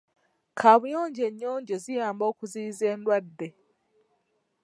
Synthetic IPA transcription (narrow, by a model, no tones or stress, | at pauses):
kʰaːβujoːɲɟe̞ɲːoːɲɟezijaːmbo̞ːkuziːze̞ːndwadːe̞